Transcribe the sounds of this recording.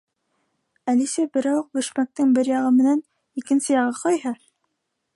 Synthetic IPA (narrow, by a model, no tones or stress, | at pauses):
ælisæbɘ̆ɾæwq̚bɵ̆ʃmæk̚t̪ɘŋbɘɾjɑʁɤmɘ̆næn | ikɘ̆nsɘjɑʁɤqɑjɦɤ